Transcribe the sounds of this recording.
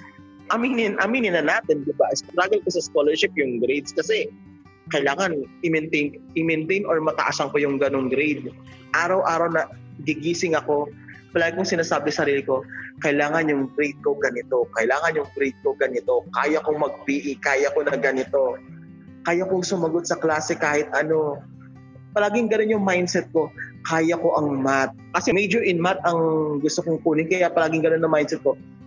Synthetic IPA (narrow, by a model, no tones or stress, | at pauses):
ʔɐmiːnɪnʔɐmiːnɪnɐnaːt̪ɛnd̪ɪbaʔɪst̪ɾaɡɛlkosɐskolɛɹʃɪp̚jʊŋɡɾejd̪skɐsɛ | kɐʔɪlaːŋɐnʔɪmɛnt̪ejnʔɪmɛnt̪ejnoɹmɐt̪ɐ̰ʔasɐŋkojʊŋɡɐno̞ŋɡɾejd̪̚ | ʔaːɾɐwʔaːɾɐwnɐ | ɡɪɡiːsɪŋɐko̞ | pɐlaːɡkʊŋsɪnaːsaːbɛsɐɾiːlɪko̞kɐʔɪlaːŋɐnjʊŋfɾit̪̚koɡɐnɪt̪o̞kɐʔɪlaːŋɐnjʊŋfɾit̪̚ko̞ɡɐnɪt̪o̞kaːjɐkoŋmɐɡ̚biʔɪkaːjɐko̞nɐɡɐnɪt̪o̞ | kaːjɐkoŋsʊmɐɡo̞t̪̚sɐklaːsɛkaːhɪt̪ʔɐno̞ | pɐlaːɡɪŋɡɐno̞njʊŋmajnsɛt̪̚ko̞kaːjɐko̞ʔɐŋmat̪̚kɐsɛmɛd͡ʒoʔɪnmat̪̚ɐŋɡʊst̪okoŋkuːnɪŋkɐjapɐlaːɡɪŋɡɐno̞nːɐŋmajnsɛt̪̚ko̞